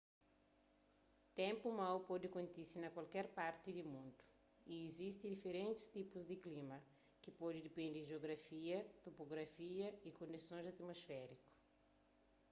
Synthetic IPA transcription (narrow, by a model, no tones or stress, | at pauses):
t̪ẽmpumawpɔd̪ɪkõnt̪isinɐkwalkɛɾpaɾt̪ɪd̪ɪmũnd̪u̥ | iezist̪ɪ̃d̪ifeɾẽnt̪ɪ̥st̪ipuzd̪ɪklĩmɐ | kɪpɔdɪd̪ipẽnd̪ɪʒeoɡɾafiɐt̪opoɡɾafiɐikõnd̪isõzat̪mosfɛɾikʊ̥